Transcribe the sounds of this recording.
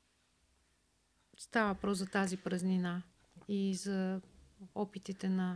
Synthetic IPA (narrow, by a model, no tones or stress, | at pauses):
st̪avəvpɾɔszɐt̪azipɾəznina | izɐ | ɔpit̪it̪ɛnɐ